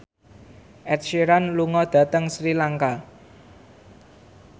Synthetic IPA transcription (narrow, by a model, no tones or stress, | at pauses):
ʔɛt̪̚ʃiɾanluŋɔd̪̥ä̤t̪əŋsɾilaŋka